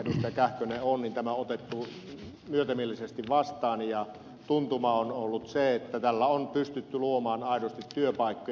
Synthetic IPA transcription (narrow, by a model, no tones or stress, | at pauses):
dust̪æjkæhkøneonnint̪æmæot̪et̪ːu | myøt̪æmielːisest̪iʋʋɑst̪ˑɑːnjɑ | t̪unt̪umɑonolːut̪seet̪ːæt̪ælːæonpyst̪yt̪ːyluomɑːnɑˑidost̪it̪tyøpɑˑikːo